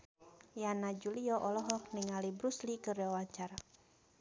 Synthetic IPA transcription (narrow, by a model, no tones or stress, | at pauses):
janad͡ʒuliɔʔɔlɔɦɔk̚niŋalibɾuslikəriwawaɲt͡ʃaɾa